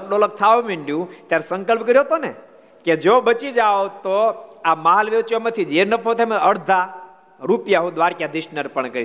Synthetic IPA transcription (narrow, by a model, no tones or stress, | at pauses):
kɽolək̚t̪ʰaʋõmĩɳɖjũt̪jaɾesə̃ŋkəlpkəɾjoɦt̪one | ked͡ʒobət͡ʃid͡ʒaot̪oamaɦalʋet͡ʃomãt̪ʰid͡ʒeɾnəpʰot̪emãəɾd̪ʱa | ɾupjaɦũd̪ʋaɾkjad̪ɪʃnəɾpəɳkəɾi